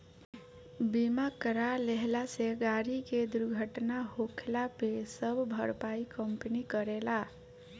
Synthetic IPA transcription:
bimakɾaleɦlaseɡaɾiked̪uɾɡʱəʈnaɦokʰlapesəbʱbʱəɾpaikəmpnikəɾela

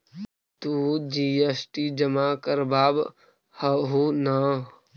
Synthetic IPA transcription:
t̪uːd͡ʒiːesʈiːd͡ʒɐmaːkəɾbaːb | hɐɦuna

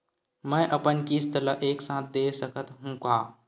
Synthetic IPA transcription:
mɛ̃ːʔəpənkist̪ələʔeːksãːt̪̚ʰd̪eːsəkət̪ɦũkaː

